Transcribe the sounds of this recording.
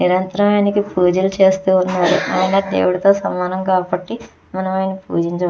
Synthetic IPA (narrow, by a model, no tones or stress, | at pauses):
niɾɐnt̪ɐɾɐmaːnikipuːd͡ʒɐlut͡ʃe̞ːst̪uːunːaːɾṵʔa̰ːjnaːd̪ḛːwuɽit̪o̞ːsɐmaːnɐmkaːbɐʈːi | mɐnɐʋɐjnipṵːd͡ʒiɲt͡ʃɐ